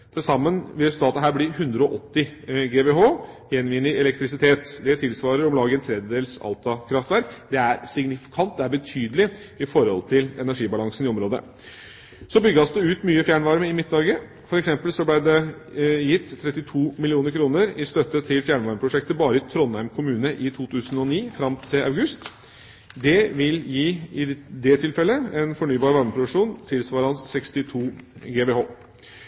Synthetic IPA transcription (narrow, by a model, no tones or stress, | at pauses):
d̪̥ʰɪsɑmːənʋɪlɾɛsʉt̪ɑːt̪əɦæːɾblɪhʉnd̪ɾəɔʔɔt̪ːɪɡeːbeːɦoː | jɛnʋiːnɪɛlɛk̚t̪ɾɪsɪt̪ʰeːt̪d̪ɛt̪ʰɪlsʋɑːɾəɾɔmlɑːɡənt̪ʰɾɛd̪əd̪eːlsɑ̰lt̪ɑkʰɾɑft̪ʋæɾkd̪ɛæɾsɪɡnɪfɪ̥kʰɑnt̪̚d̪ɛæɾbət̪ʰyːd̪əlɪ | ɪfɔɾɔ̰lt̪ʰɪlɛnæʂiːbɑlɑŋsnɪɔmɾoːd̪ə̰ | sɔbʏɡːɑsd̪ɛʉːt̪myːəfjæːɳʋɑɾməɪmɪt̪̚ːnɑɾɡə | fɔɾɛksɛmpəlsɔblæɪd̪ɛjɪt̪ʰːɾɛt̪ːɪt̪ʰuːmɪlɪuːnəɾkʰɾuːnəɾɪst̪œt̪ːət̪ʰɪlfjæːɳʋɑɾməpɾʊʂɛk̚t̪əbɑːɾəɪt̪ʰɾɔnhæɪmkʰʊmʉːnəʔɪt̪ʰuːt̪ʰʉːsn̩ɔniːfɾɑmt̪ʰɪlɑʉɡʉst̪ | d̪ɛʋɪljiːɪd̪ɛt̪ʰɪlfɛlːəɛnfɔɳyːbɑːɾʋɑɾməpʰɾʊʋɪʂuːnt̪ʰɪlsʋɑːɾəɑnssɛkst̪ɪt̪ʰuːɡeːbehoː